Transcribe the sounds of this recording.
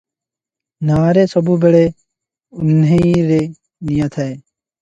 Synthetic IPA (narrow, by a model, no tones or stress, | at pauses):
naːɾeːsəbuːbeɽeː | ʊnɦeiɾeː | nijat̪ʰaeː